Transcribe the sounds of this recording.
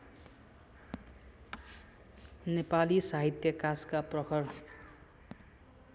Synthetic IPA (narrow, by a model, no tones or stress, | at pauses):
nepalisaɦit̪jʌkaskaprʌkʰʌɽ